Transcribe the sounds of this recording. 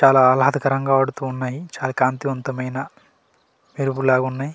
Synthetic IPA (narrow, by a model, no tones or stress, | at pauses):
t͡ʃaːlaːlɐɦɐd̪ɐkɐɾɐŋɡaːɐɽut̪uːnːaːjit͡ʃaːlakaːnt̪iʋɐnt̪ɐmɐjnɐ | meɾubulaːɡunːaːji